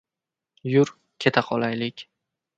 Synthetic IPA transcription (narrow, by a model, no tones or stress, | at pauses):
jʊɾ | kʲʰe̞t̪ʰaqʰɒlˠajlɪkʲ